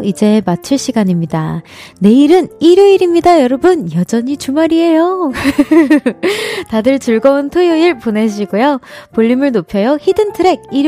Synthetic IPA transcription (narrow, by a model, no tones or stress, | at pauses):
id͡ʑe̞mat͡ɕʰɯɭɕ͈ʰiɡaɲimɲida | ne̞iɾɯniɾjoiɾimɲidajʌɾʌbɯnjʌd͡ʑʌɲit͡ɕumaɾiɦe̞jo | tadɯɭt͡ɕuɭɡʌontʰojoiɭpone̞ɕʰiɡujopoʎːimɯɭnopʰjʌjoçidɯntʰɯɾe̞ɡ̚iɾ